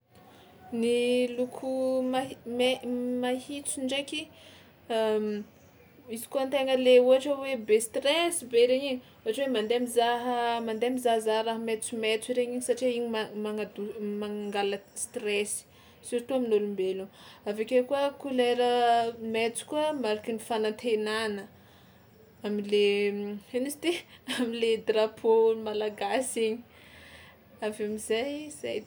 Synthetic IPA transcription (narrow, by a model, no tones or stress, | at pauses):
nilukʰumamemahit͡siɳɖ͡ʐekʲi | am | izi̥kuənt̪eŋəleuɦaʈ͡ʂəwebest̪rɛsibeɾeɲiɲi | uaʈ͡ʂwemand̪eamizaɦəmand̪eamizaɦzaɦɾaɦəmet͡sumet͡siɾeɲiɲisaʈ͡ʂiiɲimaŋad̪umaŋaŋɡaləst̪rɛsi̥ | siɾt̪uaminolumbeluavekʲekuəkulaɾəmet͡su̥kuəmaɾakʲinifanat̪ʰenanə | amileenisi̥t̪iamiled̪rapʰomalaɡasiɲi | avamizajz̥aj